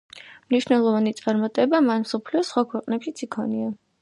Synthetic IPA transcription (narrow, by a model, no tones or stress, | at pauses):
mniʃnɛlˠɔvanit̪sʼaɾmat̪ʼɛbamanmsɔpʰliɔsχwakʰwɛqʼnɛpʃit̪sʰikʰɔnia